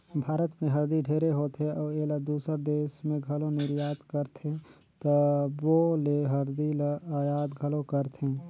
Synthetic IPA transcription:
bʱaːɾət̪mẽɦəɾd̪iɖʱeːɾeɦoːt̪eʔɔːeləd̪uːsəɾd̪eːsmẽɡʱəlonɪɾjaːd̪kəɾt̪ʰẽ | t̪əboleɦəɾd̪iləjaːd̪ɡʱəlokəɾt̪ʰɦẽː

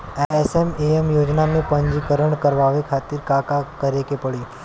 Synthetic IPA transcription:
eesemeemjod͡ʒnamẽpəɲd͡ʒikəɾəɳkəɾʋaʋekʰat̪iɾkakakəɾekepəɭi

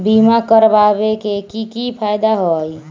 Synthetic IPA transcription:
bimakəɾbabekekikipʰajd̪aɦɔj

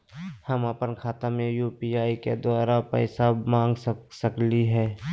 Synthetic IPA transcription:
həməpənkʰaːt̪amẽjuːpiːaːikḛd̪ʊaːɾapə̰ɪsamãːŋɡssəkliɦɛː

